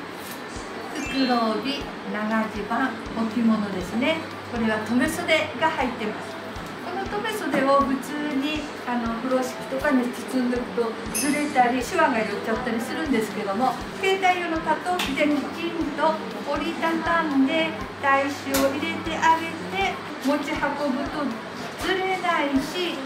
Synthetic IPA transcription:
ɨkɯɾoːbʲi | naɡaʑibãŋ | okʲimo̞no̞d̪e̞sɨne̞ | ko̞ɾe̞β̞at̪o̞me̞so̞d̪e̞ɡahait̪ːe̞masɨ̥ | ko̞no̞t̪o̞me̞so̞d̪e̞oɸɯ̟t͡sɨːɲ̟i | ano̞ɸɯ̟ɾo̞ɕi̥kʲi̥t̪o̞kaɲisi̥t͡sɨ̃nd̪okɯ̥t̪o̞ | zɨɾe̞t̪aɾʲiɕiβaɡajott͡ɕːat̪ːaɾʲisɨɾɯ̟̃nd̪e̞sɨ̥ke̞d̪o̞mo̞ | ke̞ːt̪aijonokat̪okʲid̪ẽɲkʲĩnt̪o̞ | oɾʲit̪akãnd̪e̞ | d̪̥aiɕio̞ʔiɾe̞t̪e̞ʔaɡe̞t̪e̞ | mo̞t͡ɕihako̞bɯ̟t̪o̞ | d͡zɨɾe̞naiɕi

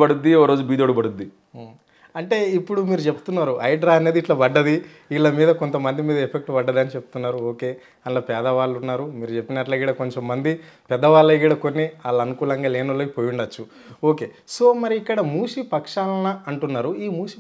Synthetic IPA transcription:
bɐɽud̪ːiɔɐɾoːd͡ʒubiːd̪oːɽubɐɽud̪ːi | ɐɳʈe̞ːipːuɽumiːɾut͡ʃepu̥t̪unːaːɾuʔɐjɖɾaːɐne̞ːd̪iʈlɐbɐɖːɐd̪i | iːllɐmiːd̪ɐko̞nt̪ɐmɐnd̪imiːd̪ɐepʰe̞k̚ʈbɐɖːɐd̪aːnit͡ʃe̞pu̥t̪unːaːɾuoːke̞ː | ɐnloːpɛːd̪ɐʋaːɭːunːaːɾumiːɾut͡ʃe̞pːinɐʈlɐɡiːɽɐko̞ɲt͡ʃo̞mːɐnd̪ipɛd̪ːɐʋaːlːɐɡiɽɐko̞nːiaːlːɐɐnukuːlɐŋɡaːleːnɐlːoːkipoːjuɳɖɐt͡ʃːu | oːke̞ː | so̞ːmɐɾiːkːɐɽɐmuːʂipɐkʂaːlɐnɐɐɳʈunːaːɾuiːmuːʂi

